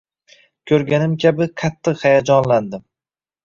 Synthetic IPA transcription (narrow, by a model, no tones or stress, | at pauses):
kʲʰɵɾɡʲanɪmkʲʰabɪqʰɑt̪ʰːɨqhajad͡ʒɒnland̪ɪm